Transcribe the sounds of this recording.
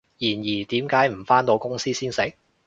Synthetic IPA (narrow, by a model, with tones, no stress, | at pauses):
jiː˨˩njiː˨˩t̪iː˨˥mkaː˨˥jm̩˨˩faː˥nt̪o˧wkʊ˥ŋsiː˥siː˥nsɪ˨˥k̚